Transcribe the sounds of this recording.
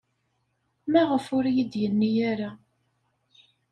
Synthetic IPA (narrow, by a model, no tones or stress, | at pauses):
mæʁəfʊɾijid̪jənːijaɾa